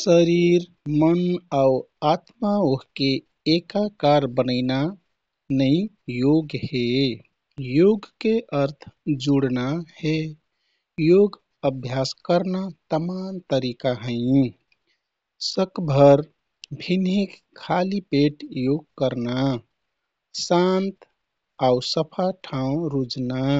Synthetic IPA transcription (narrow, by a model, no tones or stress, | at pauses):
səɾiɾ | mənau | at̪maoɦkeː | kakaɾbənəɪna | nəɪ̃ | joɡhe | joɡkeʔəɾt̪ʰd͡ʒuɽnahe | joɡ | əbʱjaskəɾnat̪əmant̪əɾikaɦə̃ɪ̃ | səkbʱəɾ | bʱinikʰːalipeʈjoɡkəɾna | sant̪ | ausəpʰaʈʰãũɾud͡ʒna